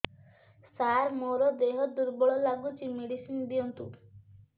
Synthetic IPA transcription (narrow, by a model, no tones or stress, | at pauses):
saɾmoɾɔd̪eɦɔd̪uɾbɔɭɔlaɡut͡ʃimeɖisinb̪iɔnt̪ṵ